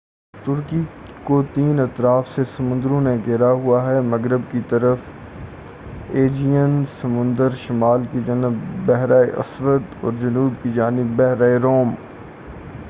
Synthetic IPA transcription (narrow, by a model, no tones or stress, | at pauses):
t̪ʊɾkikot̪iːnɐt̪ɾaːfsesɐmʊ̃nd̪ɾõnẽɡeɾaɦuaɦɛmɐɡɾɪbkit̪ɐɾəf | eːd͡ʒijənsɐmʊ̃nd̪əɾʃɪmaːlkid͡ʒɐnɪbːɛɦɾaːeʔɐ̰swəd̪ɔ̰ːɾd͡ʒɐnuːbkid͡ʒaːnɪbːɛɦɾaːeɾoːm